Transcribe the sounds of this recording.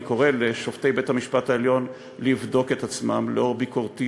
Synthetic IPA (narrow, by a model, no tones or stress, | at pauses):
ko̞ʁe̞leʃo̞fte̞jbe̞thamiʃpataeljo̞n | livdo̞ke̞t̪at͡smamleo̞biko̞ʁt̪i